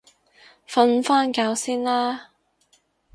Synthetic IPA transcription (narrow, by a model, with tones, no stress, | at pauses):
fɐ˧nfaː˥nkaː˧wsiː˥nlaː˥